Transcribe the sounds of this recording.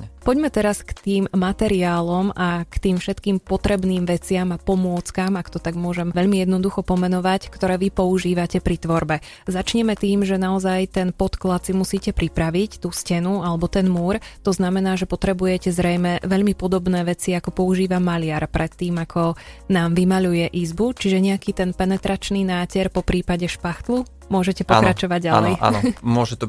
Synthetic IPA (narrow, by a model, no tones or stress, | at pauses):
pɔɟmɛt̪ɛɾaskt̪iːmmat̪ɛɾiaːlɔmakt̪iːmfʃɛt̪kiːmpɔt̪ɾɛbniːmʋɛt͡sɪamapɔmʊɔt͡skamakt̪ɔt̪aɡmʊɔʒɛmʋɛʎmijɛd̪nɔd̪uxɔpɔmɛnɔʋackt̪ɔɾɛːʋipɔuʒiːʋacɛpɾit̪ʋɔɾbɛ | zat͡ʃɲɛmɛt̪iːmʒɛnaɔzajt̪ɛnpɔt̪klat̪simusiːcɛpɾipɾaʋict̪uːscɛnualɛbɔt̪ɛnmuːɾt̪ɔznamɛnaːʒɛpɔt̪ɾɛbujɛcɛzɾɛjmɛʋɛʎmipɔd̪ɔbnɛːʋɛt͡siakɔpɔuʒiːʋamaʎɪaɾpɾɛt̪ːiːmakʰɔnaːmʋimaʎujɛʔizbut͡ʃiʒɛɲɛakit̪ɛnpɛnɛt̪ɾat͡ʃniːnaːcɛɾpɔpɾiːpaɟɛʃpaxt̪lu | mʊɔʒɛcɛpɔk̪ɾat͡ʃɔʋaɟɟaalɛja̰n̰mʊɔʒɛt̪ɔ